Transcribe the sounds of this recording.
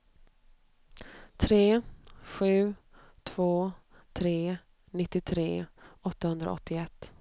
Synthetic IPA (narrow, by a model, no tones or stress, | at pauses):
t̪ʰɾeːɧʉ̟ː | t̪ʰv̥oː | t̪ʰɾeː | nɪt̪ːɪt̪ʰɾeːɔt̪ːahɵnd̪ɾa̰ɔ̰t̪ːɪɛt̪ː